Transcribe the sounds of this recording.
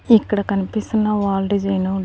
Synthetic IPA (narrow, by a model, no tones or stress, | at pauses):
ikːɐɽɐkɐnipist̪unːɐʋaːlɖid͡ʒɐjnu